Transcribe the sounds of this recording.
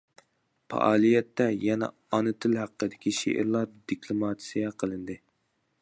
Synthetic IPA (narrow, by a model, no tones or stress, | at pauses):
pʰɑ̰ʔɑ̰ːlˠijɛt̪ːɛjɛnɛ̰ | ɑnɨt̪ʰɪlhæqːəd̪ɪkʲʰiʃḛʔɪ̰ɾlˠɑɾd̪ikʰlˠomɑt̪sijɛqʰəlˠɨnd̪ɨ